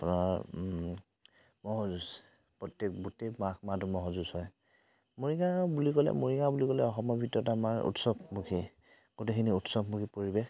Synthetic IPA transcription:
apunaɹ | mɔɦɔzus | pɹɔtjɛk̚butemakmadumɔɦɔzuzhɔj | moɹiɡabulikɔlɛ̰moɹiŋabulikɔlɛɔxɔmɔbʱitːɔtamaɹṵtsɔbmukʰi | ɡ̥otekʰiniutsɔbmukʰipoɹibex

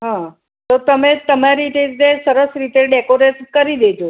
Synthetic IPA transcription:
ɦã | t̪ot̪əmẽt̪əmjaɾiːʈ̪ed͡zd̪esəɾəsɾit̪eɖɛkoɾeskəɾiːd̪et̪o

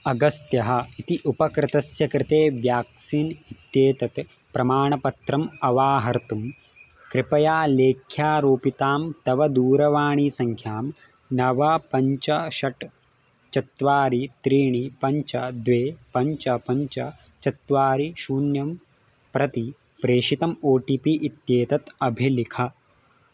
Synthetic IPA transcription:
ɐɡɐst̪jɐɦɐ̆it̪iʔupɐkɾɪt̪ɐsjɐkɾɪt̪eːʋjaːksiːnit̪jeːt̪ɐt̪ | pɾɐmaːɳɐpɐt̪ɾɐmɐʋaːɦɐɾt̪um | kɾɪpɐjaːleːkʰːjaːɾoːpit̪aːmt̪ɐʋɐd̪uːɾɐʋaːɳiːsɐŋkʰjaːm | nɐʋɐpɐɲt͡ʃɐʃɐʈ | t͡ʃɐt̪ʋaːɾit̪ɾiːɳipɐɲt͡ʃɐd̪ʋeːpɐɲt͡ʃɐpɐɲt͡ʃɐ | t͡ʃɐt̪ʋaːɾiʃuːnjɐm | pɾɐt̪i | pɾeːʂit̪ɐmoːʈipiʔit̪jeːt̪ɐt̪ɐbʱilikʰɐ

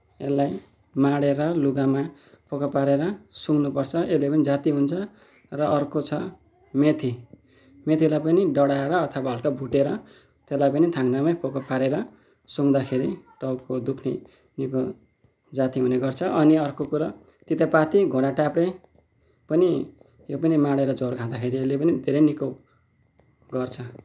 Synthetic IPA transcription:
ḛlːaj | maɽeɾʌluɡama | pʰokapaɾeɾʌsuŋnupʌrt͡sʰʌelepʌnid͡zat̪iɦunt͡sʰʌ | rʌʌrkot͡sʰʌ | met̪ʰi | met̪ʰilajpʌniɖʌɽaeɾʌːt̪ʰʌbaɦʌlkabʱuʈeɾʌ | t̪elajpʌnit̪ʰaŋnamajpʰokapaɾeɾʌ | somd̪akʰeɾiʈʌwkod̪ukʰne | niko | d͡zat̪iɦuneɡʌrt͡sʰʌʔʌniʌrkokuɾʌ | t̪it̪apat̪iɡʱoɽaʈapre | pʌni | jopʌnimaɽeɾʌd͡zorɡʱãd̪akʰeɾielepʌnid̪ʱeɾʌjniko | ɡʌrt͡sʰʌ

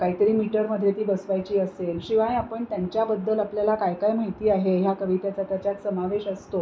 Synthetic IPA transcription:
kaɦiːt̪əɾiːmiʈəɾməd̪ʱjet̪iːbəsʋajt͡ɕiːəselɕiʋaĩapəɳt̪jaɲt͡ɕjabəd̪ːəlapljalakajkajmaɦiiːaɦeɦjakəʋit̪jat͡sat̪jat͡ɕjat̪səmaʋeɕəst̪o

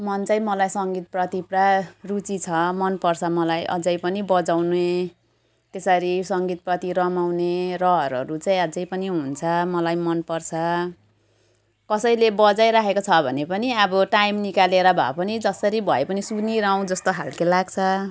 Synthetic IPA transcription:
mʌnt͡saĩmʌlajsʌŋɡit̪̚prʌt̪iprarut͡sit͡sʰʌmʌnpʌrt͡sʰʌmʌlajʔʌ̰d͡zʌjpʌnibʌd͡zawnue | t̪esʌɾisʌŋɡit̪̚prʌt̪iɾʌmawnerʌɦʌɾʌ̰ɾut͡saj̃ʌd͡zʌjpʌniɦunt͡sʰʌmʌlajmʌnpʌrt͡sʰʌ | kʌsʌjlebʌd͡zajɾakʰekot͡sʰʌbʱʌnepʌniʌbʌʈajmnikaleɾʌbʱʌ̰pʌnid͡zʌsʌɾibʱʌepʌnisuniɾaw̃d͡zʌst̪oɦalkelaɡt͡sʰʌ

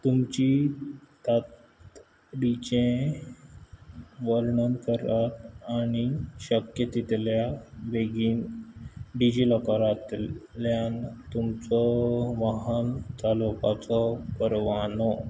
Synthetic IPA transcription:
t̪umt͡ɕit̪at̪ | ɖit͡ɕẽ | ʋəɾɳənkəɾat̪aɽ̃iɕəkjət̪it̪ljaʋeɡiːn | ɖid͡ʑiləkaɾat̪ljant̪umt͡sɔʋaɦənt͡salokat͡sɔkəɾʋanɔ

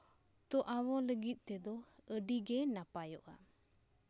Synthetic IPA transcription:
t̪ɔʔawɔləɡit̪̚ˀt̪ɛd̪ɔəɖiɡenapajɔʔa

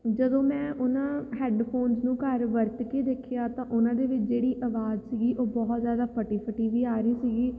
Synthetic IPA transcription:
d͡ʒəd̪õːmɛ̃ːʔʊnãːɦɛːɖpʰoːnznũːkəɾʋəɾt̪keːd̪eːkʰejaːt̪ãːʔʊnãːd̪eːʋɪt͡ʃʰd͡ʒeːɽiːʔəʋaːzsiːɡiːʔoːbɔːt̪zjaːd̪aːpʰəʈiːpʰəʈiːʋiːaːɾəiːsiːɡiː

